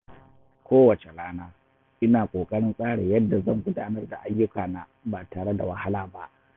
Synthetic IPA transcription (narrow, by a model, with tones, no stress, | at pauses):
kʷoː˦wɐ˨t͡ʃe˨laː˦naː˦ | ʔɪ˦naː˨kʷʼoː˨kʼɐ˦ɽɪ˦nsʼaː˦ɽe˨jɐ˦dːa˨zɐ˦˨ŋɡʷʊ˦daː˦nɐ˦rda˨ʔa˦jːʊ˦kaː˨na˨baː˨taː˨ɽe˦da̰˨wɐ˦ha˦laː˦ba˦ʔ